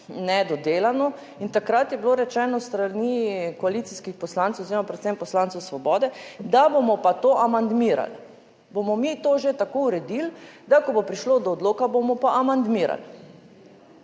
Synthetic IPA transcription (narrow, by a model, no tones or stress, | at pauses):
nɛd̪ɔd̪elanɔ | int̪akɾat̪jɛbloɾɛt͡ʃɛːnɔst̪ɾanikɔalit̪siskixpɔslant̪swoziːɾomapɾɛt̪sɛmpɔslant̪suwsʋɔbɔːd̪ɛd̪abomɔpat̪oʔamand̪miɾa̰l | bomɔmit̪oːʒet̪akouɾɛd̪ild̪akɔbopɾiʃlod̪ɔːd̪loːkabomɔpaʔamand̪miɾa̰l